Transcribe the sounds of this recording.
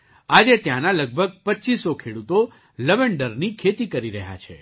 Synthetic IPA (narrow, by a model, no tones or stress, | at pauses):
ad͡ʒet̪janaləɡ̚bʱəɡ̚pətːt͡ʃisokʰeɽut̪o | ləʋeɳɖəɾnikʰet̪ikəɾiɾəɦja̰t͡ʃʰe